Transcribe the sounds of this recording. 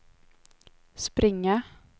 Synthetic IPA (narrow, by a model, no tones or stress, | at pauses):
spɾʔɪŋːa